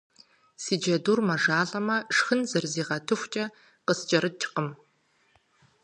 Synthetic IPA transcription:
siːd͡ʒɐduːrmɐʒaːɮʼɐmɐʂxɨnzɐrziːʁɐtʰɨxʷt͡ʃʼɐ | qəst͡ʃʼɐɾɨt͡ʃʰqəm

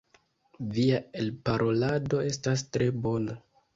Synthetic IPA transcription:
viae̞lpaɾʔo̞lado̞e̞stastɾe̞bo̞na

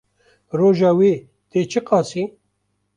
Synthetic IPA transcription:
ɾoʒawi | t̪et͡ʃiqɑːsi

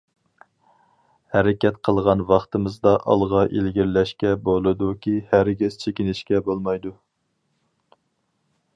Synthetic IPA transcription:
hæɾɪkʲɛt̪qʰəlˠʁɑnwɑχt̪ɨmɨzd̪ɑʔɑ̰lˠʁɑʔelɡʲiɾlɛʃkʲɛbolˠɨd̪ukʲʰihæɾɡʲiz̥t͡ʃʰekʲinɪʃkʲɛbolˠmɑjd̪u

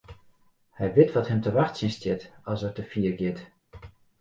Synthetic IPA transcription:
hɛjʋɪtʋɔthɛmtəʋaxtsɪnstjɪtɔsərtəfiərɡɪt

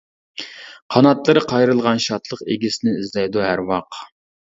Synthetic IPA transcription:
qʰɑnɑt̪lˠɨɾɨqʰɑjɾɨlˠʁɑnʃɑt̪ʰlˠəqeɡʲisɪnɪizlɛjd̪uhæɾwɑq

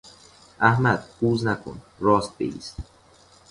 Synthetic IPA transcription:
ʔæhmæd̪̥̚b̥uːznækʰo̰n | rɒːst̪̚bḛiːst̪

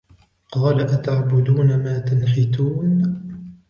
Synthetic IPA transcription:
qɑːlaʔat̪aʕbʊd̪uːnamaːt̪anħɪt̪uːn

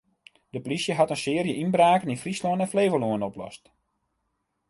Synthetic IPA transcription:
d̥əpolisjəɦatənsɪːrjəʔinbraːkəninfrisluənɛnfleːvəluənɔplɔ̰st

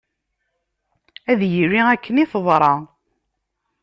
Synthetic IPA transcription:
æðjiriækːəniθəðˤɾˤɑ

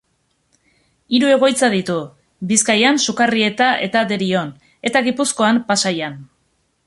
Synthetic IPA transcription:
iɾue̞ɣ̞o̞jt͡saðit̪u | biskajansukarie̞t̪aʔe̞t̪ad̪e̞ɾio̞n | e̞t̪aɣipusko̞ampasajan

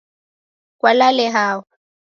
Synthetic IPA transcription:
kʼwalalɛɦaːwa

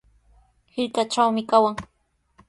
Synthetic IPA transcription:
hɪɾkat͡ʃawmɪkawaŋ

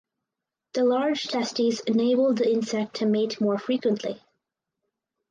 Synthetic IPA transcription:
ðəlɑɹd̥d͡ʒ̥tʰɛstizɨneɪbl̩ˠd̪̚ðiɪ̃nsɛk̚tʰɨmitmɔɹfɹikwə̃nʔʰlḭ

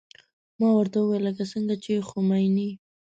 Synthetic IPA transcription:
mɑwaɾt̪awəwejlːəkasəŋɡat͡ʃexomajni

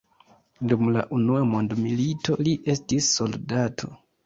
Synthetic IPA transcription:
dumla̰ʔunuamo̞ndmilito̞liʔe̞stisːo̞ldatʰo̞̰

